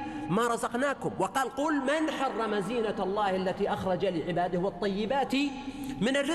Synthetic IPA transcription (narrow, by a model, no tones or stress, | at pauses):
maɾˤɑzɑqnaːkʊmwɑqɑːlquːlmanħɑrˤːɑmaziːnaɑlˤːɑːhʔalːat̪iʔaxɾˤɑd͡ʒaliʕɪbaːd̪ɪhwɑt̪ˤːɑjːɪbaːt̪imɪnarːɪ